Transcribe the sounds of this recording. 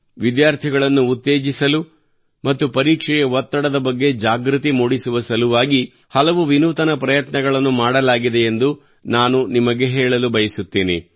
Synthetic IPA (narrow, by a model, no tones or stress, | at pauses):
ʋid̪jaːɾt̪ʰiɡɐɭɐnːuːt̪ːeːd͡ʒisɐlu | mɐt̪ːupɐɾiːkʂɛjɐɦɔt̪ːɐɽɐd̪ɐbɐɡːe̞d͡ʒaːɡɾut̪imuːɽisuʋɐsɐluʋaːɡi | hɐlɐʋuʋinuːt̪ɐnɐpɾɐjɐt̪nɐɡɐɭɐnːumaːɽɐlaːɡid̪e̞end̪u | naːnunimɐɡe̞ɦɛːɭɐlubɐjɐsut̪ːiːnḭ